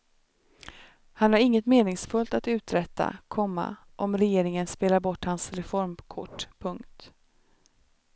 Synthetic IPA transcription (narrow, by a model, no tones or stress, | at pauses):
hanhaɾɪŋːət̪meːnɪŋsfɵlt̪at̪ʉ̟ːt̪ɾɛt̪ːa̰kʰɔmːa̰ | ʔɔmɾɛjeːɾɪŋənspeːlaɾbɔʈːhansɾɛfɔɾmkʰʊ̰ʈːpʰɵŋkt̪